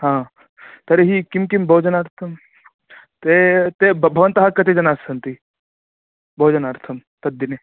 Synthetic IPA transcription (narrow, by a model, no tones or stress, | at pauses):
ɦãː | t̪ɐɾeɦikimkimbʱɐːd͡ʒɐnɐɾt̪ʰɐm | t̪et̪ebbʱɐʋɐnt̪ɐɦakːɐt̪ed͡ʒɐnaːsɐnt̪i | bʱɐːd͡ʒɐnɐɾt̪ʰɐmt̪ɐd̪ːine